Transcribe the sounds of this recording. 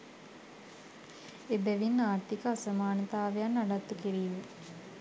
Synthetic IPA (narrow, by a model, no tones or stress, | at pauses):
ebɛʋinːaːɾt̪ikəasəmaːnət̪aːʋejanːaɖat̪ːukiɾiːme